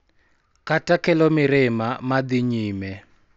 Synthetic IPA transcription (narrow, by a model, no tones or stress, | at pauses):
kʰʼatʼakʰʼɛlɔmɪɾɪmamad̪iɲiːmɛ